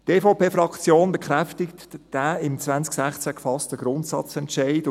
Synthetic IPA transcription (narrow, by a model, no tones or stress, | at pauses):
teːfoʊpeːfɾɑkt͡sjoːnbekχɾɛftɪktd̥æɪmt͡svænt͡sksæχt͡sækfɑstəɡ̥ɾʊntsɑ̰t͡sɛntʃaɪt